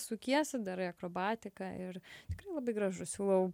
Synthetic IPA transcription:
sʊkʲiɛsʲɪd̪ɐɾɪɐkɾoːbɑːt̪ʲɪkɑɪrt̪ʲɪkrɐɪlˠɐbɐɪɡɾɐʒʊsʲuːlˠɐʊ

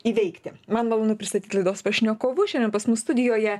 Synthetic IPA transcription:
iːʋʲɛɪkt̪ʲɪmɐnmɐlˠoːnʊpʲɾʲɪst̪ɐt̪ʲiːtlˠɐɪd̪oːspɐʃʲɪnʲoːkoːʋʊʃʲɛnʲd̪ʲɛnpɐsmʊsst̪ʊd̪ʲɪjoːjɛ

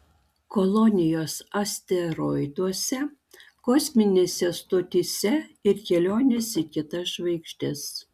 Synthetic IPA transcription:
kɔlˠɔnʲɪjoːsɐsʲt̪ʲɛɾɔɪd̪uɔsʲɛ | kɔsʲmʲɪnʲeːsʲɛst̪oːt̪ʲisʲɛɪɾkʲɛlʲoːnʲesʲikʲɪt̪ɐsʃʋɐɪkʃʲt̪ʲɛs

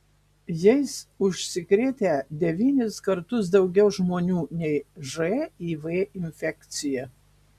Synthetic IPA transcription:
jɛɪsʊʃʲsʲɪkɾʲeːt̪ʲed̪ʲɛʋʲiːnʲɪskɐɾt̪ʊs̬d̪ɒʊɡʲɛʊʒmoːnʲuːnʲɛɪʒɛiːʋeːɪnʲfʲɛkt̪sʲɪjɛ

